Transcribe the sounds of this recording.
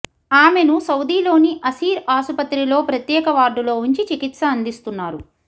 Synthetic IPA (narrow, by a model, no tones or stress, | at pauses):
aːme̞nusɐwd̪iːlo̞ːniʔɐsiːɾaːsupɐt̪ɾilo̞ːpɾɐt̪jɛːkɐʋaːɾɖulo̞ːuɲt͡ʃit͡ʃikit̪sɐɐnd̪ist̪unːaːɾu